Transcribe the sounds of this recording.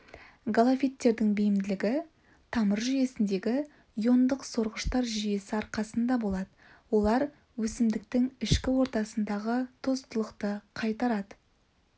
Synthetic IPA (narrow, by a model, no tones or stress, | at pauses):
ɡolˠafʲit̪ːe̞ɾd̪ɪŋbejɪmd̪ɪlɪɡʲɪ | t̪ʰɑməɾʒʏje̞sɪnd̪e̞ɡʲɪ | jo̞nd̪əqso̞ɾʁəʃt̪ɑɾʒʏje̞sɪɑɾqɑsənd̪ɑbo̞lˠɑd̪əwo̞lˠɑɾ | wɵsɪmd̪ɪk̚t̪ɪŋɪʃkʲɪwo̞ɾt̪ɑsənd̪ɑʁət̪ʰo̞st̪əlˠəqt̪əqʰɑjt̪ɑɾɑd̪ə